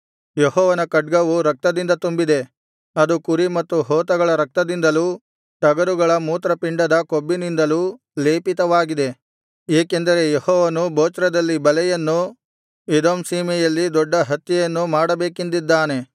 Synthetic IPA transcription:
jeɦɔːʋɐnɐkɐɖ̚ɡɐʋuɾɐk̚t̪ɐd̪ind̪ɐt̪umbid̪e̞ | ɐd̪ukuɾimɐt̪ːuɦɔːt̪ɐɡɐɭɐɾɐk̚t̪ɐd̪ind̪ɐluː | ʈ̪ɐɡɐɾuɡɐɭɐmuːt̪ɾɐpiɳɖɐd̪ɐkobːinind̪ɐluː | le̞ːpit̪ɐʋaːɡid̪e̞ | eːkend̪ɐɾe̞jehɔːʋɐnuboːt͡ʃɾɐd̪ɐlːibɐlɛjɐnːu | ed̪oːmsiːmɛjɐlːid̪ɔɖːɐɦɐt̪jɛjɐnːumaːɽɐbeːkind̪id̪ːaːne̞

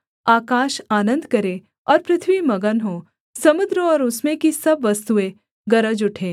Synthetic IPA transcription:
aːkaːʃaːnə̃nd̪kɐɾẽ | ɔːɾpɾɪt̪ʰʋimɐɡənɦo | sɐmʊd̪ɾɔːɾʊsmẽkisɐbʋɐst̪uẽ | ɡɐɾəd͡ʒʊʈʰẽː

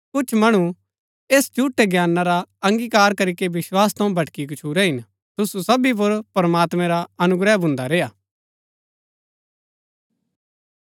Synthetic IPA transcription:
kʊt͡ʃʰmɐɽ̃u | eːst͡ʃuːʈeɡjaːnːaɾaɐ̃ŋɡikaːɾkɐɾikeʋɪswaːst̪ʰɐ̃ũbʱɐʈkikʊt͡ʃʰuːɾɛɦɪn | t̪ʊsusɐbip̬ʊɾpɾɐmaːt̪mɛ̃ɾaɐnʊɡɾɛbʱʊ̃nd̪aɾeːjaː

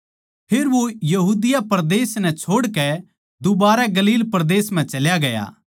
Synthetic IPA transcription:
pʰeːɾʋojɐɦuːd̪ɪjapɐɾd̪eːsnɛt͡ʃʰoːɽkɛ | d̪ʊbaːɾɛɡɐliːlpɐɾd̪eːsm̤ɛ̃t͡ʃɐljaɡɐja̰ː

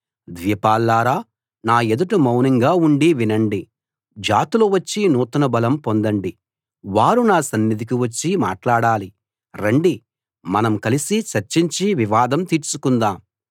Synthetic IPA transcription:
d̪ʋiːpaːlːaːɾaː | naːed̪uʈumɐwniŋɡaːuɳɖiʋinɐɳɖi | d͡ʒaːt̪iloːʋɐt͡ʃːinuːt̪ɐnɐbɐlɐmpo̞nd̪ɐɳɖi | ʋaːɾunaːsɐnːid̪ikiʋɐt͡ʃːima̰ːʈlaːɽaːli | ɾɐɳɖi | mɐnɐmkɐlisit͡ʃɐɾt͡ʃiɲt͡ʃiʋiʋaːd̪ɐmt̪iːɾt͡ʃukund̪aːm

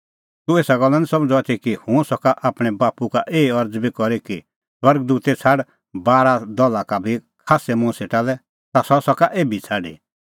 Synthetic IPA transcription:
t̪ũeːsaɡɔlːanisɐ̃md͡zoat̪ʰikihũsɔkaʔaːpɽ̃ɛbaːpukaʔeːɐɾd͡zbikɔɾiki | swɐɾɡ̚d̪uːt̪et͡sʰaɽ | baːɾad̪ɔlakabʱikʰaːsɛmʊ̃seʈalɛ | t̪asɔsɔkaʔeːbʱit͡sʰaɖḭ

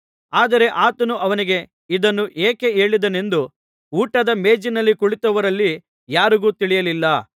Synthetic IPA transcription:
aːd̪ɐɾe̞ʔaːt̪ɐnuʔɐʋɐniɡe̞ | id̪ɐnːuʔeːke̞e̞ːɭid̪ɐne̞nd̪u | uːʈɐd̪ɐme̞ːd͡ʒinɐlːikuɭit̪ɐʋɐɾɐlːi | jaːɾuɡuːt̪iɭijɐlilːɐ

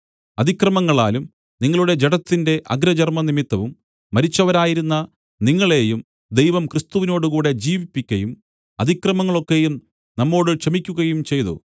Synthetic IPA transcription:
ɐd̪ikrɐmɐŋːɐɭa̰ːlum | niŋːɐɭuɽe̞d͡ʑeɽɐt̪ːinde̞ʔɐɡɾɐd͡ʑɐrmɐnimit̪ːɐʋumː | ɐɾit͡ɕːɐʋɐɾaːjiɾunːɐ | niŋːɐɭe̞ːjum | d̪ejʋɐmkrist̪uʋino̞ːɽukuːɽe̞d͡ʑiːʋipːikʲːɐjum | ɐd̪ʱikrɐmɐŋːɐɭo̞kːejum | nɐmːo̞ːɽɨkʂɐmikʲːuɣɐjumt͡ɕe̞jt̪ṵ

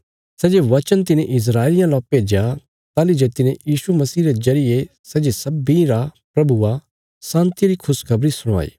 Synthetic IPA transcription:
sɛːd͡ʒeʋɐt͡ʃənt̪̬ɪnẽʔɪs̬ɾaːelɪjãlɔːped͡ʒja | t̪aːlid͡ʒet̪ɪnẽjiːsumɐsiːɾezɐɾɪje | sɛːd͡ʒesɐbiɾapɾɐbua | sãːnt̪iɾikʰʊskʰɐbɾisʊɽ̃ʋa̰ːḭː

